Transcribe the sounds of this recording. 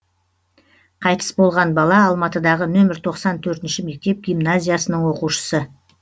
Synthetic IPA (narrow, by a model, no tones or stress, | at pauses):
qʰɑjt̪ʰə̥sbo̞lˠʁɑnbɑlˠɑːlˠmɑt̪əd̪ɑʁənɵmɪɾt̪ʰo̞qsɑnt̪ʰɵɾt̪ɪnʃɪme̞k̚t̪e̞p̚ɡʲijmnazʲijasənəɴwo̞quʃə̥sə